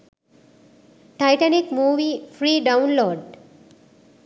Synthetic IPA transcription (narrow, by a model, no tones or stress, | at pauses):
ʈajʈanikmuːʋifɾiːɖaʊ̃nloːɖ